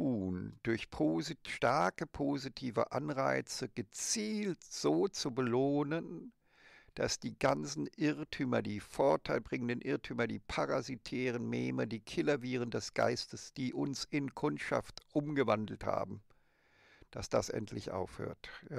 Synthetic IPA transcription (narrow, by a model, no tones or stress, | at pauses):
uːnd̥ʊɐçpʰoːziʃtaɐkəpʰoːzitʰiːvə̰ʔanʁaɪt͡səɡ̥ət͡siːltz̥oːt͡subəloːnən | d̥a̰sd̥iːɡant͡sn̩ʔɪʁtʰyːmɐdiːfoɐtʰaɪlbʁɪŋəndənʔɪɐtʰyːmɐdiːpʰaʁazitʰɛːʁ̞ənmeːmədiːkʰɪlɐviːʁ̞əndɛsɡ̥a̰ɪstəsd̥iːʔʊnsɪnkʰʊntʃa̰ftʔʊmɡəvandl̩tha̰ːbm̩ | d̥asd̥a̰sʔɛ̰ntʰlɪçʔa̰ʊfhø̰ːɐtjaː